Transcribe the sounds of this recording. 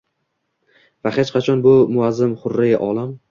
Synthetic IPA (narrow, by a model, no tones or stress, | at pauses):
vahet͡ʃqɑt͡ʃʰɒnbʊmʊazːɪmχʊɾːɪɡʲa̰ʔɒlˠam